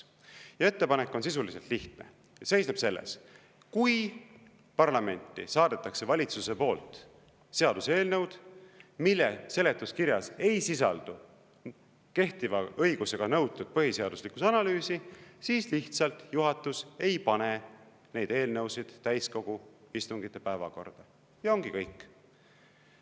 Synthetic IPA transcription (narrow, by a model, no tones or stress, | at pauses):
jɑe̞t̪ːe̞pɑnekːˑo̞nsis̬ulise̞lt̪liht̪nḛ | se̞jsneb̥se̞lːḛs | kuj | pɑrlɑme̞nʲt̪ːˑḭsɑːd̪̥et̪ːˑɑkse̞vɑlʲit̪suse̞po̞ːlt̪ˑ | se̞ɑd̪̥useːlnɤwd̪̥milːɛ̰se̞le̞t̪ːˑuskiɾjɑse̞jsisɑ̰ld̪̥u | ke̞ht̪ivɑɤ̞jɡ̥use̞ɡ̥ɑnɤwt̪ːˑud̪̥̚pɤɦise̞ɑd̪̥uslikusɑnɑlyːsisiːsliht̪sɑlt̪ˑjuɦɑt̪ːˑuse̞jpɑne̞ | ne̞jd̪̥e̞ːlnɤwsid̪̥t̪ːæjsko̞ɡ̥uist̪uŋɡ̥it̪ːˑe̞pæevɑ̰ko̞̰rd̪̥ɑ | jɑo̞ŋɡ̥ikɤjkˑː